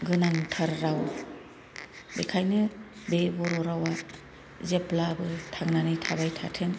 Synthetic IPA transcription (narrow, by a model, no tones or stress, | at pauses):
ɡɯnaŋtʰaɾːaw | bekʰajnɯ | bebɔɾɔɾawa | zeplabɯtʰaŋnanɯjtʰabajtʰa̰tʰɯŋ